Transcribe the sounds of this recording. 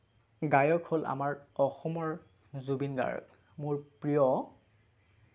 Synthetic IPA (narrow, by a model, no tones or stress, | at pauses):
ɡajɔkʰholʔa̰maɹɔxɔmɔɹ | zubinɡa̰ɹɔ̰k | mʊɹpɹijɔ